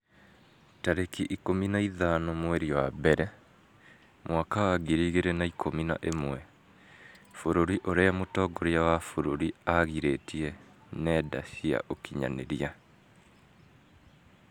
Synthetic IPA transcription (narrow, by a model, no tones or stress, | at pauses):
taɾekiʔikominaiðanɔmwɛɾiwabɛɾɛ | mʔwakawaɡiɾiːɣeɾenaikʰomina̰ʔemwɛ | foɾoɾiʔoɾeamotɔːɡoɾeawafoɾoɾiaɣiɾetiɛnɛːda̰sia̰ʔokiɲa̰nḛɾia